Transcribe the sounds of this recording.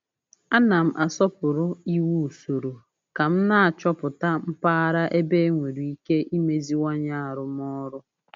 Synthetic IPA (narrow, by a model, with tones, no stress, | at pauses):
a˦na˨m̩˦˨ʔa˨sɔ˦pʊ˨ɾʊ˦i˦wu˦u˨so˨ɾo˨ | ka˨m̩˦na˦˨a˨t͡ʃɔ˦pʊ˨ta˦m̩˦pa˦a˦ɾa˦ʔe˦be˦ŋʷe˨ɾi˨i˦ke˦ʔi˦me˨zi˦wɔ˦ɲa˦a˨ɾʊ˦m˦ɔ˦ɾʊ˦